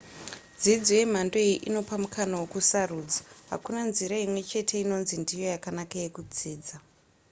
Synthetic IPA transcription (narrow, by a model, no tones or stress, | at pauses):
d͡zid͡zoje̞m̤andoeiʔino̞pamukʰanawokusaruːd͡zaɦa̰kunanziɾaimwe̞t͡ʃe̞tʰe̞ino̞nzindijo̞jakanakaje̞kud͡ziːd͡za